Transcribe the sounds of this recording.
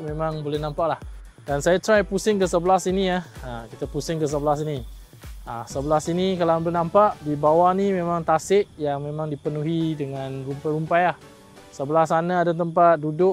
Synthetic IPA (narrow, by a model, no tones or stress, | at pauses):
ʔmẽmãŋbolɛhnãmpaʔlah | dansajat̪ɾajpusɪŋkəsəbəlasinijaəkit̪apusɪŋkəs̬əbəlasini | əsəbəlasinikalaãmbolɛnãmpaʔdibawanimẽmãŋt̪asɪʔjaŋmẽmãŋdipənuɦidəŋãnrumpajɾumpajah | səbəlasanaadat̪əmpat̪̚dudʊʔ